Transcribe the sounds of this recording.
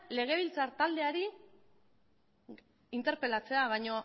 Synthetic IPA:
le̞ɣ̞e̞β̞ilt͡saɾt̪ald̪e̞aɾi | int̪e̞ɾpe̞lat͡se̞aβajɲo̞

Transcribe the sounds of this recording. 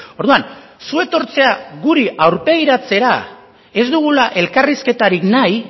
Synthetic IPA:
o̞ɾðuansue̞t̪o̞ɾt͡se̞aɣuɾiʔawɾpe̞jɾat͡se̞ɾa | e̞zd̪uɣulaʔe̞lkariske̞t̪aɾiknaj

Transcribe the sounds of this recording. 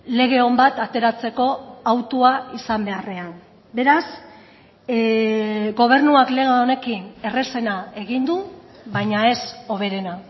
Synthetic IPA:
le̞ɣ̞e̞o̞mbat̪at̪e̞ɾat͡se̞ko̞awt̪uaisambe̞are̞an | be̞ɾas | ɡo̞β̞e̞ɾnuakle̞ɣaone̞kine̞re̞se̞nae̞ɣind̪uβajɲae̞so̞β̞e̞ɾe̞na

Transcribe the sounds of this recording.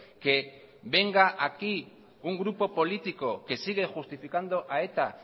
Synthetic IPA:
ke̞ | βe̞ŋɡaʔaki | uŋɡɾupo̞po̞lit̪iko̞ke̞siɣ̞e̞xust̪ifikand̪oʔae̞t̪a

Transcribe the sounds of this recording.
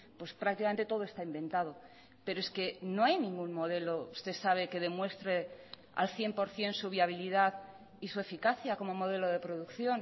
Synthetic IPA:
pwe̞spɾak̚t̪ikame̞nt̪e̞t̪o̞ðo̞e̞st̪aimbẽ̞nt̪að̞o̞ | pe̞ɾoe̞ske̞no̞ajnĩŋɡunmo̞ð̞e̞lo̞ust̪esaβ̞e̞ke̞ð̞e̞mwe̞st̪ɾe̞ | a̰lθje̞mpo̞ɾθje̞nsuβ̞jiaβ̞ilið̞að | isue̞fikaθjako̞mo̞mo̞ð̞e̞lo̞ð̞e̞pɾo̞ðukθjo̞n

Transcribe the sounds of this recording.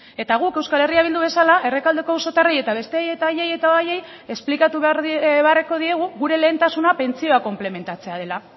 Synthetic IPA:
e̞t̪aɣ̞uke̞wskale̞riaβ̞ild̪uβe̞salaʔe̞re̞kald̪e̞kouso̞t̪areje̞t̪aβ̞e̞st̪eaje̞t̪aajeje̞t̪aaje̞j | e̞splikat̪uβeareko̞ð̞ie̞ɣ̞uɣuɾe̞le̞ːnt̪asunape̞nt͡sioako̞mple̞me̞nt̪at͡se̞að̞e̞la

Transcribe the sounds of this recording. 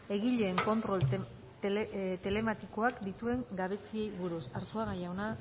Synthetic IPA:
e̞ɣiʎe̞ːŋko̞nt̪ɾo̞l | t̪t̪e̞le̞mat̪iko̞akd̪it̪ue̞ŋɡaβ̞e̞sie̞jβuɾusaɾsuaɣajawna

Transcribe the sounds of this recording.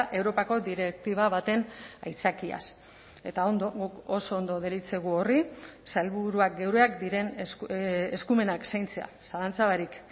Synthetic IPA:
ʔe̞wɾo̞pako̞d̪iɾe̞k̚t̪iβaβ̞at̪e̞na̰jt͡sakia̰s | e̞t̪aond̪oɡuko̞so̞ːnd̪o̞ðeɾit͡se̞ɣ̞uo̞risalβuɾuak̚ɡe̞wɾeakd̪iɾe̞n | eskume̞naksajnt͡se̞a̰salant͡saβaɾik

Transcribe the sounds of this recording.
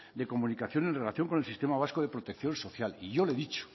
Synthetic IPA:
d̪e̞komunikaθjo̞ne̞nrelaθjo̞ŋko̞ne̞lsist̪e̞maβ̞askoðepɾot̪e̞kθjo̞nso̞θjaliʝo̞le̞ðit͡ʃo̥

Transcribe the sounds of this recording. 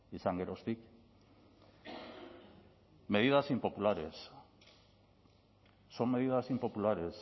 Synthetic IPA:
isaŋɡe̞ɾost̪ik | me̞ðiðasimpo̞pulaɾe̞̰s | o̞me̞ðiðasimpo̞pulaɾe̞s

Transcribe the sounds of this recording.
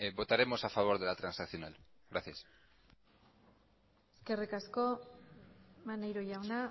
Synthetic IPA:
bo̞t̪aɾe̞mo̞safaβ̞o̞ɾðe̞lat̪ɾansakθjo̞nalɣɾaθjas | eske̞rikasko̞ | manejɾoʝawna

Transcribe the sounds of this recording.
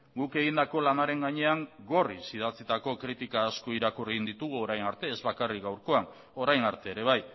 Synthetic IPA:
ɡuke̞ɣind̪ako̞lanaɾe̞ŋɡaɲe̞aŋɡo̞risið̞at͡sit̪ako̞kɾit̪ikaːskoiɾakuriɣind̪it̪uɣ̞uo̞ɾajnaɾt̪e̞ːzβakarikɡawɾko̞an | o̞ɾajnaɾt̪e̞ːɾe̞βaj

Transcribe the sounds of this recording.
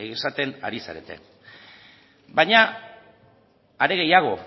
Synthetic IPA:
eɣisat̪e̞na̰ɾisa̰ɾe̞̰t̪e̞̰ | bajɲa | aɾe̞ɣ̞e̞jaɣ̞o̞

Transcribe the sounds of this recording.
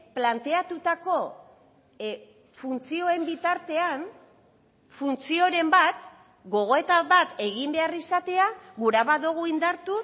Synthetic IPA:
plant̪e̞at̪ut̪ako̞ | funt͡sio̞e̞mbit̪aɾt̪e̞an | funt͡sio̞ɾe̞mbat̪ | ɡo̞ɣ̞o̞e̞t̪aβat̪e̞ɣimbe̞arisat̪e̞aɣuɾaβaðoɣ̞uind̪aɾt̪u

